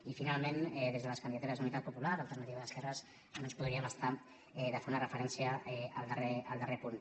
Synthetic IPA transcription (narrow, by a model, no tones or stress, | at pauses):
ifinalˠmenɛðezðələskəndiðat̪uɾəzunit̪at̪pupulaɾəlˠt̪əɾnət̪iβəðəskɛrəs | nonspuðɾiəməst̪a | ɛðəfeɾunərəfəɾɛnsiəɛəlˠd̪əreəlˠd̪ərepun